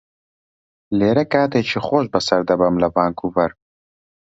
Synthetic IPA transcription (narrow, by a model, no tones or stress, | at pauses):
leːɾɐkaːt̪et͡ʃʰixoːʃbɐsɐɾd̪ɐbɐmlɐvaːŋkuvɐɾ